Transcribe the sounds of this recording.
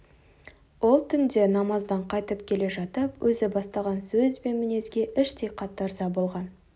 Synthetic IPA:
wo̞lˠt̪ʰʏnd̪e̞nɑmɑzd̪ɑɴqʰɑjt̪əp̚kʲʰe̞le̞ʒɑt̪əpwʔɵzɪbɑst̪ɑʁɑnsɵzbe̞nmɪne̞zɡʲe̞ʔɪʃt̪e̞jqʰɑt̪ːɑɾzɑbo̞lˠʁɑn

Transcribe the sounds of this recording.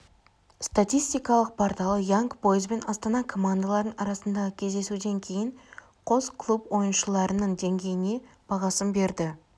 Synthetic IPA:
st̪at̪ijst̪ijkɑlˠəq̚pʰoɾt̪ɑlˠəjaŋkpo̞jəzbe̞nɑst̪ɑnɑkʰo̞mand̪alˠɑɾd̪əɴɑɾɑsənd̪ɑʁəkʲʰe̞zd̪e̞sud̪e̞ŋkʲʰe̞jɪɴ | qʰo̞zkʰlˠupwo̞jənʃəlˠɑɾənəɴd̪e̞ŋɡʲe̞jɪne̞b̥ɑʁɑsəmbe̞ɾd̪ɪ

